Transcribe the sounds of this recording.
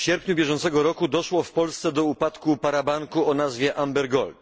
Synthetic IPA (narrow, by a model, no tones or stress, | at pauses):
fɕɛɾpɲubʲjɛʐɔnt̪sɛɡɔɾɔkud̪ɔʂwɔfpɔlst̪sɛd̪ɔupat̪kupaɾabaŋkuɔnazvʲjɛʔambɛɾɡɔlt̪